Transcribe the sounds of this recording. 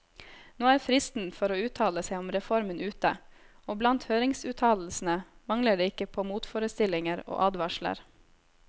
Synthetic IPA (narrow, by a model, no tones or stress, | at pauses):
noːæːɾfɾɪst̪n̩fɔɾoːʉːt̪ʰɑːləsæɪɔmɾɛfɔɾmənʉːt̪ə | oːblɑnt̪høːɾɪŋsʉːt̪ʰɑːll̩sn̩ə | mɑŋləɖeːɪkːəpʰoːmuːt̪foːɾəst̪ɪlɪŋəɾo̰ːʔɑːd̪ʋɑʃlə̰ɾ